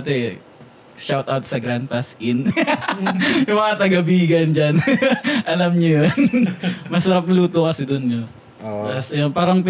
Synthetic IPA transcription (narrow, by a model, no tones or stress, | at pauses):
t̪ɛ | ʃawt̪ʔawt̪̚sɐɡɾand̪̚pasɪn | wɐat̪ɐɡɐbiːɡɐnd͡ʒanʔɐlamɲojonmɐsɐɾap̚luːt̪okɐsɛd̪onɲo | osjonpaːɾɐŋp